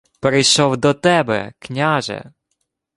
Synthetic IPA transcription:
peɾɪjʃɔwd̪ɔt̪ɛbɛ̰knʲaʒɛ̰

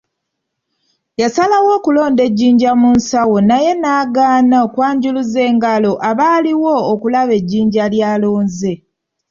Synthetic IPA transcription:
jasalawo̞ːkulo̞ːnde̞ɟːiːɲɟamunsawo̞naje̞naːɡaːnaokwaːɲɟuluze̞ːŋɡalo̞ʔaβaːliwoːkulaβe̞ɟːiːɲɟaljaːlo̞ːnze̞

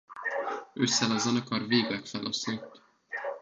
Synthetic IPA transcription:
øsːɛlɒzɒnɒkɒrveːɡlɛkfɛlʔɒsot̪ː

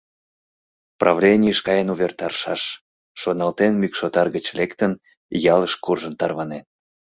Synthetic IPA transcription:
prɑvlʲenʲijəʃkɑjənuβʲert̪ɑrʃɑʃː | onɑlt̪enmykʃot̪ɑrɣət͡ɕlekt̪ən | jɑləʃkurʒənt̪ɑrβɑnen

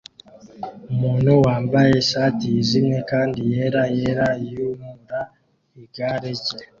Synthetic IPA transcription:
umuːnhuwaːmbaje̞ʃaːtiːzimekaːndije̞ɾajeɾajumuɾa | iɡaɾeɟe

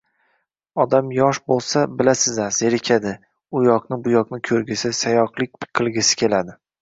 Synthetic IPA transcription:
ɒd̪amjɒʃbolˠsabɪlasɪzaz̥eɾɪkʲʰad̪ɪ | ʊjɒqnɪbʊjɒqnɪkʲʰɵɾɡʲɪsɪsajɒqlˠɪk̚ʲpqʰːɨlˠɡʲɪsɪ̥kʲʰe̞lad̪ɪ

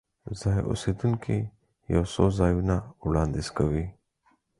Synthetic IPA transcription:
zaːj̰ʔṵsid̪unkʰe | jɐ̰wsozaːjunauɽɑːnd̪iskawi

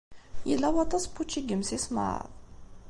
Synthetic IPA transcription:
jəlːæwɑt̪ˤɑspːut͡ʃːiɡəmsisma̰ɾə̰ðˤ

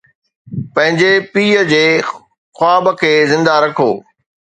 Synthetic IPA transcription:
pɐ̃ɦɪ̃ɲd͡ʑepiːəd͡ʑeː | xʊaːbəkʰeːzɪ̃nd̪aɾɐkʰoː

